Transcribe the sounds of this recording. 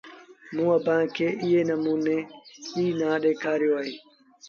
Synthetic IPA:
mũːəbʱãːkʰeːʔɪɦeːnəmuːneːiːnãːɗeːkʰaːɾɪjoːaːɦeː

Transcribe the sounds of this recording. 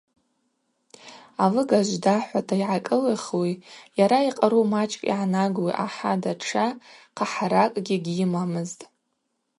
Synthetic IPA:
alɨɡaʒʷdaħʷatʰaiʕakʼɨlɨχwijaɾaiqʼaɾumat͡ʃʼkʼḭʕanaɡwiʔa̰ħadaʈ͡ʂʰaqʰaħaɾakʼɡʲiɡʲɪmamɨztʼ

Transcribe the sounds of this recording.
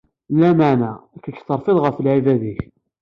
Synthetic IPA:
lːæməʕnæækːækːθəɾˤfɪðˤʁəfəlʕivæðiç

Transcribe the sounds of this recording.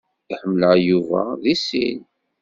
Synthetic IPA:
ħəmːləjuvæ̰ðisḭn

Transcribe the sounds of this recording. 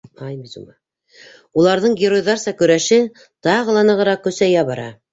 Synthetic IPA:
ɑjbizumɑ | ulˠɑɾðɤɴɡʲɪrojðɑɾsɑkɵ̆ɾæʃɘ | t̪ɑʁɤ̆lˠɑnɤ̆ʁɤ̆ɾɑq̚kɵ̆sæjæβɑɾɑ̰

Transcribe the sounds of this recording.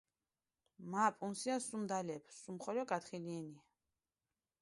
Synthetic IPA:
mapʼunsiasumd̪alɛpʰsumχɔlɔɡat̪χiliɛnia

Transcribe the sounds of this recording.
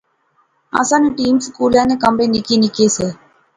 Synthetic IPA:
a̰sanuʈiːmskuːlaːnɨkɐmbenːikːinikːeːsɨ

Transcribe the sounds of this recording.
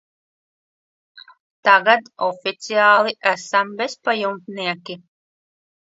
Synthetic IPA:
t̪aɡat̪ɔfit̪siaːlˠiʔæsambespajumt̪niɛkʲi

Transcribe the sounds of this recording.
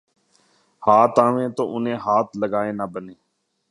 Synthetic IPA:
haːt̪aːʋẽːt̪oːʔʊnẽːɦaːt̪ləɡaːeːnaːbəneː

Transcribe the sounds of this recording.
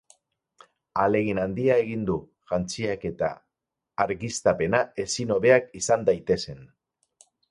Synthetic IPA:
ale̞ɣinand̪iae̞ɣ̞ind̪u | ʝant͡siake̞t̪a̰ː | ɾɣist̪ape̞nae̞sino̞βe̞akisand̪ajt̪e̞se̞n

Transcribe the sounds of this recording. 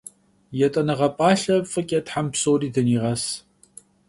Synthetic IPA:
jɛtʼɐnɐʁɐpʼaːɬɐfʼɨkʼɛtħampsoːriːdɐniːʁɐs

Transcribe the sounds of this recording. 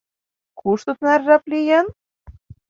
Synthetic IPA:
kʰuʃt̪ɤ̆t̪nærːæplʲijen

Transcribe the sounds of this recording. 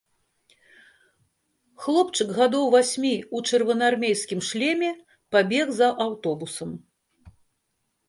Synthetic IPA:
xlˠɔpt͡ʂɨkɣad̪ɔwvasʲmʲiut͡ʂɨrvɐnarmʲejskʲimʂlʲɛmʲɛ | pabʲɛɣzɐʔawt̪ɔbusɐm

